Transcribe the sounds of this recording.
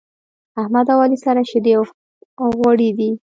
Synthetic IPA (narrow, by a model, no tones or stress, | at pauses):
ahmad̪awɑlisaɾaʃɪd̪e | ɣwaɽid̪i